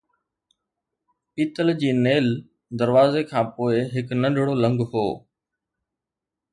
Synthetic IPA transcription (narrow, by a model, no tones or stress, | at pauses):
piːt̪əld͡ʑiːneːl | d̪əɾʋaːzekʰãːpoːɪɦɪknɐ̃nɖʱɽolə̃ŋɡɦoː